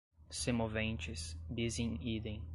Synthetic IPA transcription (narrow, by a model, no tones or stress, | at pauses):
semovẽnt͡ʃɪsbizẽid̪ẽj̃